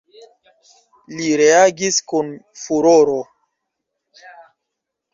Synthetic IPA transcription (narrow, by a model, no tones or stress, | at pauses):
liɾe̞aɡiskunfuɾoɾo